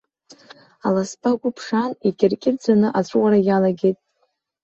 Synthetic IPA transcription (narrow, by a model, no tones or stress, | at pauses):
alaspʰʼakʷʼʊpʰʂanikʲʼɪrkʲʼɪrd͡zanɨʔat͡ɕʷʼwaɾajalaɡʲe̞jtʼ